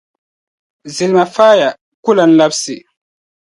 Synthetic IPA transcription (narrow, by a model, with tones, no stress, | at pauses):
zi˨lma˨faː˦ja˨ | ku˦la˨nla˦psi˨